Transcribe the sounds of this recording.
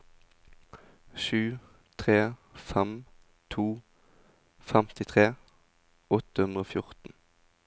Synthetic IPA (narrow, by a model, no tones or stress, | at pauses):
ʃʉː | t̪ʰʁeːfɛm | t̪ʰuː | fɛmt̪ɪt̪ʰʁeː | ɔt̪əhʉnd̪ʁəoːfjʊʁt̪n̩